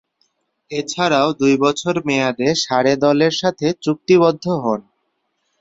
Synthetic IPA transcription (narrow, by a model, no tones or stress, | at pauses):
et͡ɕʰaɾaod̪ujbɔt͡ɕʰoɾmead̪eʃaɾed̪ɔleɾʃat̪ʰet͡ɕuk̚t̪iβɔd̪ʱːoɦɔn